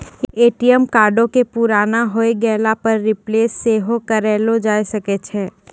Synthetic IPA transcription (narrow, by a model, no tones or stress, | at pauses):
eːʈijəmkaːɾɖõkepuɾaːnaɦoeɡɛːlapɐɾːɪpleːsːeɦokɐɾɛːlod͡ʒaːjsɐket͡ʃʰɛ̃ː